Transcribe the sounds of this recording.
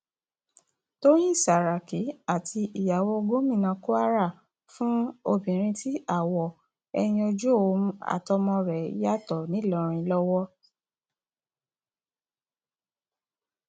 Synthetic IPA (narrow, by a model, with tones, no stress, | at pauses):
to˦j̃ĩ˦˨sa˨ɾa˨ki˨˦a˦˨tʰi˧ʔi˨ja˨wɔ˧ɡõ˦mĩ˦˨nã˧ko˦a˦ɾa˦˨ | fũ˦o˧˨bĩ˨ɾ̃ĩ˧ti˦a˦˨wɔ˨ | ɛ˧j̃ĩ˧o˧d͡ʒu˦o˦˨˧ũ˧˦a̰˨tɔ˧mɔ̃˧ɾɛ˨i˦ja˦tɔ˨nĩ˨˦lɔ˧˨ɾ̃ĩ˧lɔ˦wɔ˦